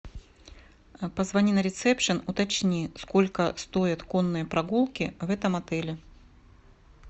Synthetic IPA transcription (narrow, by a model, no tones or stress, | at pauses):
pəzvɐnʲinəɾʲɪt̪sɛpʂɨnʊt̪ɐt͡ɕnʲiskolʲkəst̪ojɪt̪konːɨjəpɾɐɡulˠkʲɪvɛt̪əmɐt̪ɛlʲɪ